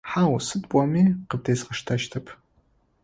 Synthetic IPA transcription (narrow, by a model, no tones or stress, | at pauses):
ħaːwsɨdpʷʼɔmiːqəb̚deːsqɐʃtʰɐʃtʰɐpʰ